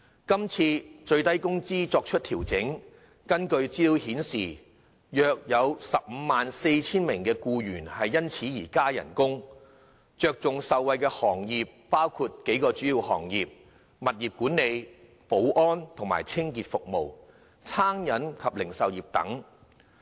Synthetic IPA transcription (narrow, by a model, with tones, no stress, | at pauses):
kɐ˥mt͡sʰiː˧t͡ʃɵ˧ɥt̪ɐ˥jkʊ˥ŋt͡siː˥t͡sɔː˧k̚t͡ʃʰɵ˥t̚t̪ʰiː˨˩wt͡sɪ˨˥ŋ | kɐ˥nkɵ˧ɥt͡siː˥˧whiː˨˥nsiː˨ | jœː˨˧k̚jɐ˨˧wsɐ˨p̚m̩ː˨˧maː˨nse˧jt͡sʰiː˥nmɪ˨˩ŋkɛː˧kuː˧ɥyː˨˩nhɐ˨jːɐ˥nt͡sʰiː˨˥jiː˨˩kaː˥jɐ̰˨˩nkʊ˥ŋ | t͡ʃœː˧k̚t͡sʊ˨ŋsɐ˨wwɐ˨˧jkɛː˧hɔː˨˩ŋjiː˨p̚ːaː˥wkʰuː˧t̚ke˨˥jkɔː˧t͡ʃyː˨˥jiː˧whɔ̰ː˨˩ŋjiː˨p̚ | mɐ˨t̚jiː˨p̚kuː˨˥nːe˨˧j | po˨˥wʔɔː˥nt̪ʰʊ˨˩ŋma̰ː˨˩jt͡sʰɪ˥ŋkiː˨t̚fʊ˨k̚mo̰˨˩w | t͡sʰaː˥ŋjɐ˨˥nkʰɐ˨p̚lɪ˨˩ŋsɐ˨wjiː˨p̚t̪ɐ̰˨˥ŋ